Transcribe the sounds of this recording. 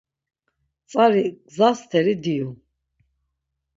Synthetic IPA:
t̪t͡s̪ʼaɾiɡzast̪ʰɛɾid̪iju

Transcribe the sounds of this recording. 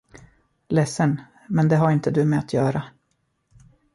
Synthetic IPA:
lɛsːən | mɛnd̪ɛɦaɾɪnt̪əd̪ɵmɛat̪ʰjœːɾa

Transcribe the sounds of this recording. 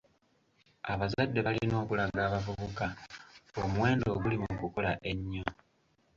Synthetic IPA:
aβazadːe̞βalino̞ːkulaɡaːβavuβukaomwe̞ːndo̞ːɡulimukuko̞laʔe̞ɲːo̞

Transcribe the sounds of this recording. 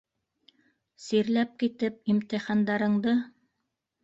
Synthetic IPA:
siɾlæp̚kit̪ɘp̚imt̪ɘ̆χɑnd̪ɑɾɤ̆ɴd̪ɤ

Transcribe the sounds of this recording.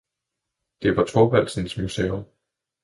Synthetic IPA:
d̥e̝ʋɑ̈t͡sʰɒʋæl̰sn̩smusḛːom

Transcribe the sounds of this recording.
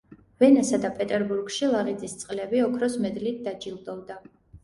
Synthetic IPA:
vɛnasad̪apʼɛt̪ʼɛɾbuɾɡʃilˠaʁid̪zist̪sʼqʼlɛbiɔkʰɾɔsmɛd̪lit̪̚ʰd̪ad͡ʒilˠd̪ɔld̪a

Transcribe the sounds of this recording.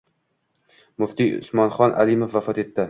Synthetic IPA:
mʊft̪iʊ̰smɒnχɒnʔa̰limofvafɒt̪e̞t̪ʰːɪ

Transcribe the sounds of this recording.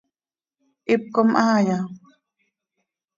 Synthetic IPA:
ʔip̚komʔaaja

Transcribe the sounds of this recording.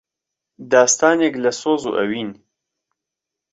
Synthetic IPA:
d̪aːst̪aːneklɐsoːzṵʔɐ̰wiːn

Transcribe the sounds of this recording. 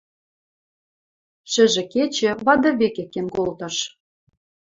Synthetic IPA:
ʃɘ̆ʒĕket͡ɕĕβɑd̪ɤ̆βekekːenkolt̪ɤ̆ʃ

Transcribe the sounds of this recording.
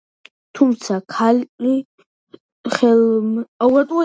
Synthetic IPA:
t̪ʰumt̪sʰakʰali | χɛlawat̪ʼwa

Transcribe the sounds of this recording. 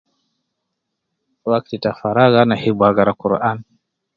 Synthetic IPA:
wak̚titafaɾaɣanahibwaɣaɾakuɾʔan

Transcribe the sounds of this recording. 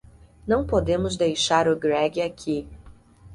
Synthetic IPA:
nɐ̃w̃pod̪ẽmʊzd̪ejʃaɾʊɡɾɛɡɪakʰi

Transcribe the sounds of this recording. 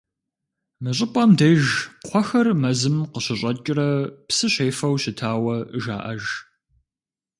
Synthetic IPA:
mɨɕʼɪpʼɐmdeʒqʷʰɔxɐrmɐzɨmqəɕɪɕʼɐt͡ʃʼɪrɐpsɨɕeːfɐwɕɪtʰaːwɐʒa̰ːʔɐʒ

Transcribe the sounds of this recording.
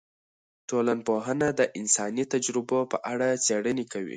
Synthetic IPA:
ʈolanpoɦənad̪əʔɪnsɑnit̪ad͡ʒɾɪbopəʔaɽat͡seɽənekawḭ

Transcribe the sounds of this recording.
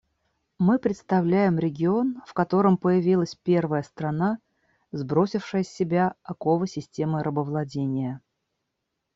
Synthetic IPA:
mɨpɾʲɪt̪st̪ɐvlʲæjɪmɾʲɪɡʲɪo̞nfkɐt̪o̞ɾəmpəjɪvʲilˠəsʲpʲe̞rvəjəst̪ɾɐna | zbɾo̞sʲɪfʂəjəsʲːɪbʲaɐko̞vəsʲɪsʲtʲe̞məɾəbəvlˠɐdʲenʲɪjə

